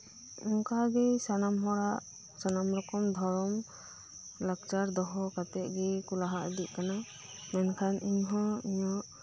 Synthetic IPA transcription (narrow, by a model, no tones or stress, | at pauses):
ɔŋkaɡɛsanamɦɔɽaʔ | sanamɾɔkɔmd̪ʱɔɾɔm | lakt͡ʃaɾd̪ɔɦɔkat̪ɛt̪̚ˀɡɛkulaɦaʔd̪iʔ̚ˀkana | mɛnkʰanʔiɲɦɔ̃iɲɔʔ